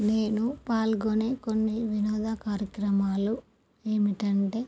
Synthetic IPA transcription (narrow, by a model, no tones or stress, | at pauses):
ne̞ːnupaːlɡone̞ːko̞nːiʋinɔːd̪ʱɐkaːɾjɐkɾɐmaːlu | eːmiʈɐɳʈe̞ː